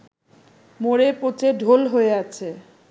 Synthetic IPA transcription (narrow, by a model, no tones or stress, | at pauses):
moɾepot͡ɕeɖʱolɦoeat͡ɕʰe